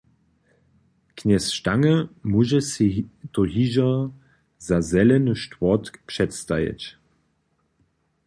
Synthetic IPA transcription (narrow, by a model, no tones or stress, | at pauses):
kʰnɛsʃtaŋəmuʒəstoɦiʒɐ | zazɛlənəʃtvɔtpʂɛtstajḛt͡ɕ